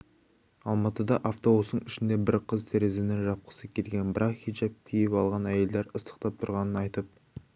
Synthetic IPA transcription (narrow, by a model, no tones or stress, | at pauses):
ɑlˠmɑt̪əd̪ɑʔaft̪o̞ost̪əɴɪʃɪnd̪e̞bɪɾqʰəzt̪ʰe̞ɾe̞zenɪŋʒɑp̚qə̥səkʲʰe̞lɡʲe̞nbɪɾʔɑqχid͡ʒɑp̚kʲʰijɪpɑlˠʁɑnæje̞ld̪eɾəst̪ə̥q̚t̪ɑp̚t̪ʰʊɾʁɑnənɑjt̪əp̚